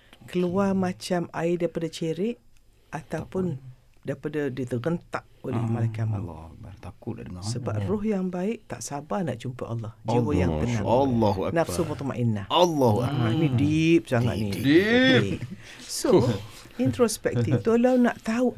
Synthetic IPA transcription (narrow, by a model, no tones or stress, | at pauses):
kəluamat͡ʃamaɪdaipadat͡ʃeɾɪʔ | at̪awpʊn | daipadadit̪əɡənt̪aʔolɛ̰hmalakama̰k̚at̪akʊla̰əsəba̰p̚rʊhjaŋbaɪʔt̪a̰ʔsabana̰ʔt͡ʃumpa̰ʔalːɔhd͡ʒiwojaŋkəna̰lːɔɦua̰naksubɔt̪ɔma̰ʔinahalːɔhua̰anidip̚saŋa̰t̪nḭdi | so | int̪ɾospɛk̪̚ift̪ulaunaʔt̪au